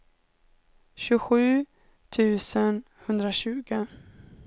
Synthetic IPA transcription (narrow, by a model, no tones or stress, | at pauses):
ɕɵɧʉ̟ː | t̪ʰʉ̟ːsən | hɵnd̪ɾaɕʉ̟ːɡə